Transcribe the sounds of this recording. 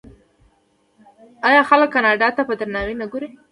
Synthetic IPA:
ɑjɑxaləkːɑnɑɖɑt̪apəd̪aɾnɑwinaɡoɾi

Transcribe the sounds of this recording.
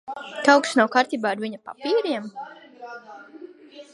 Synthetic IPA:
k̪awksnawkaɾt̪iːbaːɾvʲiɲapa̰piːɾiɛm

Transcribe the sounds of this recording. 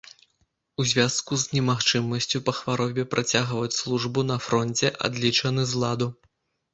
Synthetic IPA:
uzʲvʲaskuznʲɛmaxt͡ʂɨmɐsʲt͡sʲupɐxvaɾɔbʲɛpɾʔat͡sʲaɣvɐt͡sʲslˠuʐbunɐfɾɔnʲt͡sʲɛʔa̰d̪lʲit͡ʂɐnɨzlˠad̪u

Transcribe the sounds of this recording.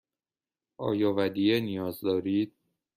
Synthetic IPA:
ʔɒ̰ːjɒːvæd̪ijenijɒːzd̪ɒːɾiːd̪̥̚

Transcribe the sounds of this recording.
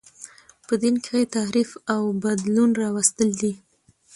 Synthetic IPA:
pəd̪inkeaet̪aɾifawbad̪lunɾɑwast̪əld̪i

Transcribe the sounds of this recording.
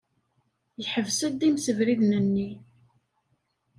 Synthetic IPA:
jħəvsəd̪imsəvɾiðnənːi

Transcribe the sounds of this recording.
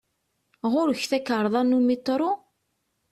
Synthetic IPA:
ʁʊɾəçθækːəɾˤðˤɑnumit̪ˤːɾˤo

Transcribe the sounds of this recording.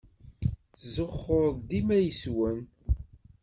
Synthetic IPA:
θzəχːoɾðˤd̪imæjəswən

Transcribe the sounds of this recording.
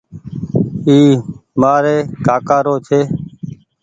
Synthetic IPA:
iːmaːɾeːkaːkaːɾoːt͡ʃʰeː

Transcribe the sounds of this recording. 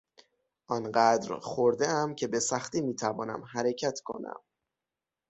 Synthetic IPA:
ʔɒːnɢæd̪ɾxoɾd̪eæmcʰebe̞sæxt̪iːmiːt̪ʰævɒːnæ̰mɦæɾe̞cʰæt̪ʰkʰo̞̰næ̰m

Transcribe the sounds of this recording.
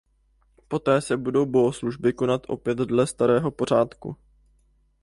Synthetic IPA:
po̞t̪ɛːsɛbudo̞wbo̞ɦosluʒbɪko̞nat̪ʔo̞̰pjɛt̪dlɛst̪aɾɛːɦo̞po̞r̝aːt̪kṵ

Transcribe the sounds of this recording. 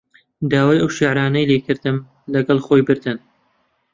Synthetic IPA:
d̪aːwaːjɐwʃiʕɾaːnɐjlekɨɾd̪ɨm | lɐɡɐlˠxojbɨɾd̪ɨn

